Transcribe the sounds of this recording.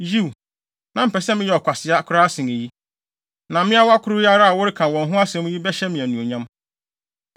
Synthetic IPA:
ji˦˨w | nã˨m̩˨pɛ˨sɛ˦mɪ̃˦jɛ˨ɔ˨kʷʰa˨sɪ˨a˦kʰʊ˦ɾa˦a˦sɪ̃˨ne˨ji˦ | nã˨mɪ̃˦a˦wa˦kʰʊ˦ɾʊ˦ɪ˦a˦ɾa˦a˨wʊ˦ɾɪ˦kʰã˨wɔ̃˨nɦʊ̃˦a˦sɛ̃˨m˦ji˦bɛ˦ɕɛ˦mĩ˨æ˨nũ˨o˨ɲã˦m

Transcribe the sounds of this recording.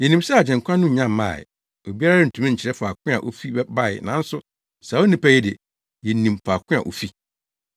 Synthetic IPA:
jɛ˨nĩ˨msɛ˦a˨d͡ʑɛ̃˨ŋ˨kʷʰã˦nʊ̃˦˨ɲã˦mː˨˦ã̰˦˨ | o˨bi˦a˦ɾa˦ɪ˦n̩˨tʰũ˦mã˦˨t͡ɕʰɪ˨ɾɛ˦fa˨kʰʷɪ̃˦a̰˨ʔo̰˦fi˦bɛ˦ba˦˨j̰nã˨˦n̩˦sʊ˦ | sa˨o˦nĩ˦pʰa˦jɛ˦de˨ | jɛ˨nĩ˨mfa˨kʷʰɪ̃˦a̰˨ʔo̰˨fi˦

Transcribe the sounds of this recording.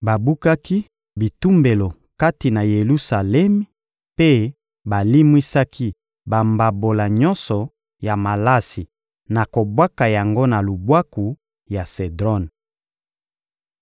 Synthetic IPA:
ba˨bu˦ka˦ki˦ | bi˨tu˦mbe˨lo˨ | ka˦ti˨na˨je˨lu˦sa˨lɛ˦m˦ | pe˦ | ba˨li˦mwi˦sa˦kʰi˦ | ba˨mba˨bo˨la˨ɲɔ˦nsɔ˨ | ja˨ma˨la˦si˨ | na˨ko˨bwa˦ka˨ja˨ŋɡo˦na˨lu˨bwa˦ku˨ | ja˨se˨dʁɔ˦n

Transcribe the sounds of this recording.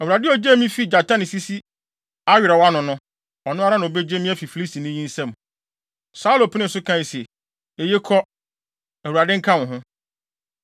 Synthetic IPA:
æ˨wu˨ɾa˨dɪ˦ɔ˦d͡ʑe˦mĩ˦fi˦d͡ʑa˨tʰã˦nɪ̃˨si˦si˦ | a˦ɥɪ˨ɾɛ˨wa˦nʊ̃˨nʊ̃˦ | ɔ˨nʊ̃˦a˦ɾa˦nã˨be˦d͡ʑe˦mĩ˦æ˦fi˨fi˨li˦si˨nʊ̃˦ɲĩ˦n̩˦sɛ̃˦˨m | sa˦u˦lo˨pʰi˦nɪ̃˦˨sʊ˦kʰã˦ji˨sɛ˨ | e˨je˦kʰɔ˦ | æ˨wu˨ɾa˨dɪ̃˦ŋ̩˦kʰã˦wʊ̃˨ɦʊ̃˦

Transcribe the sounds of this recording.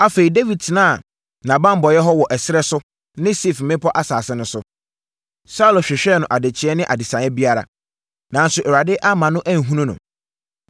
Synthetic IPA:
a˦fe˨i˨de˦vi˨d̚tʰɪ˨nãː˦a˨ | nã˨bã˦m̩˦bɔ˨jɛ˦ɦɔ˦wɔ˨ʔɛ˨sɪ˦ɾɛ˦sʊ˦ | nɪ̃˦si˦˨fm̩˨mɪ̃˦pʰɔ˦ʔa˦saː˨sɛ̃˦nʊ̃˦sʊ˦ | sa˦u˨lɔ˨ɕᶣɪ˨ɕᶣɛ˦˨nʊ̃˨ʔa˨de˨t͡ɕʰɪ˨˦ɛ˦nɪ̃˦ʔa˨dɪ˨sã˨ɛ˦bi˦a˦ɾa̰˨ | nã˨n˦sʊ˨ʔɛ˨ɾa˨dɪ˦ʔa˦mã˨nʊ̃˦ʔæ˦ŋ˨ɦũ˦nũ˦nʊ̰̃˨

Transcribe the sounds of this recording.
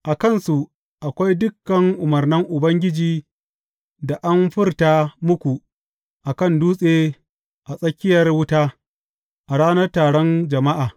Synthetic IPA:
ʔa˨kɐ˦˨nsu˨ | ʔa˨kʷa˦jdʊ˦kːɐ˨ŋʔʊ˨mɐ˨rnɪ˦ŋʔʊ˨bɐ˦ŋɡʲɪ˦d͡ʒiː˦ | da˨ʔa˦mɸɪ˦rtaː˦mʊ˦kʷu˨ | ʔa˨kɐ˦˨nduː˦sʼeː˦ | ʔa˨sʼɐ˦kʲɪ˦jɐ˨rwʊ˦taː˦ | ʔa˨ɽaː˦nɐ˦rtaː˨ɽɔ˦nd͡ʒɐ˨ma˦ʔaː˨

